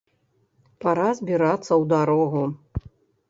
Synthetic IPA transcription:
paɾazʲbʲiɾat̪sːɐwd̪aɾɔɣu

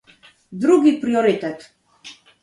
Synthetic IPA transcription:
d̪ɾuɡipɾiɔɾit̪ɛt̪

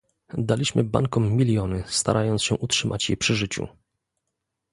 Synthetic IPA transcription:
d̪alʲiɕmɘba̰ŋkɔmːʲilʲjɔnɘst̪a̰ɾʔajɔnt̪ɕɛʔutʂɘmʔa̰t͡ɕjɛ̰pʂɘʐɘt͡ɕṵ

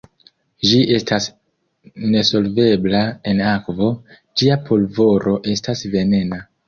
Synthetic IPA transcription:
d͡ʒiʔe̞stas | ne̞so̞lve̞blae̞nakvo̞ | d͡ʒiapʰo̞lvo̞ɾʔo̞ʔe̞stasve̞ne̞na

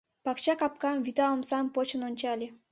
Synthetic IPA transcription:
pɑkt͡ɕɑkɑp̚kɑmvʲit̪ɑomsɑmpot͡ɕə̆nonʲt͡ɕɑlʲe

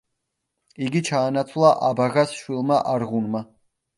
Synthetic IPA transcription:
iɡit͡ʃʰaːnat̪sʰlˠaʔabaɣasʃwilˠmaʔaɾʁunma

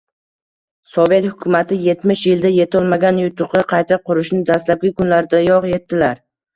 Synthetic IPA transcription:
sɒve̞t̪hʊkʲʰʊmat̪ʰɪje̞t̪mɪʃjɪld̪aje̞t̪ʰɒlˠmaɡʲanjʊt̪ʰʊqɨqʰɑjt̪ʰaqʰʊɾɪʃnɪd̪ast̪lap̚ɡʲɪkʰʊnlaɾd̪ajɒqje̞t̪ːɪlaɾ

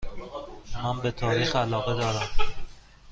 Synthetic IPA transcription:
mæmbet̪ʰɒːɾiːxælɒːɣed̪ɒːɾæm

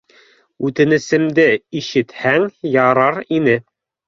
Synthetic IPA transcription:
ʉt̪ɘ̆nɘ̆sɘ̆md̪ɘiʃɘ̆t̪hæŋjɑɾɑɾinɘ

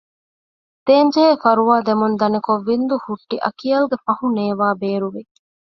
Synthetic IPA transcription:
d̪̥eːɲd͡ʒeefɐɾuʋaːd̪emund̪ɐnekoʋːind̪uhuʈːiʔɐ̰kijɐluɡefɐhuneːʋaːbeːɾuʋi

